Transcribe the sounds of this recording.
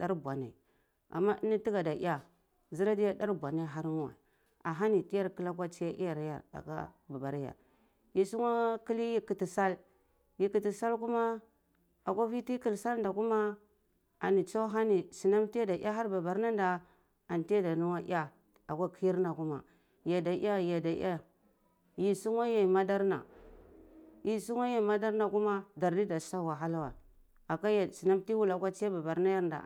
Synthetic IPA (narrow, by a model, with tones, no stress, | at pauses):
da˦ɾɡʷa˨na̰˨ | a̰˨mːa˦ʔi˦ni˦ti˦ɡa˨da˨ḭ˦a˦ | zi˦ɾa˦di˦ja˦da˦ɾɡʷa˨na˦˨ɦa˦ɾn˦wa̰˨ | a˨ɦa˦ni˨ti˦ja˦ɾki˦la˦k̬ʷa˦t͡ʃi˦ja˦ʔi˦ja˨ɾja̰˨ɾa̰˨ka̰˦ | ba˨ba˨ɾja̰˨ɾ | ji˨su˦ŋa˦ki˦li˦ji˦ki˨ti˨sa˦l | ji˦ki˨ti˨sa˦lku˦ma˦ | a˨kʷa˦vi˦ti˦ki˦˨lsa˦ln˦da˨ku˦ma˦ | a˨ni˨t͡so˦ɦa˦ni˨si˨na˦mti˦a˦da˨˦a˦ɦa˦ɾba˨ba˨ɾna˦nda˨ | a˨n˨ti˦a˦da˨nu˦wa˦ʔa˦ | a˨kʷa˦ki˦ji˦ɾna˨ku˦ma̰˨ | ja˨da˨˦a˦ja˨da˨˦a˦ | ji˨su˦ŋwa˦ja˨ma˦da˦ɾna̰˨ | ji˨su˦ŋ˦a˦ja˦˨ma˦da˦ɾna˨ku˦ma˦da˨ɾdi˦da˨sa˦˨wa˨ɦa˦la˦wa̰˨ | a˨ka˦ja˨si˨na˦mti˦wu˦la˨kʷa˦t͡ʃi˦a˦ba˨ba˨ɾna˦ja˦ɾnda̰˨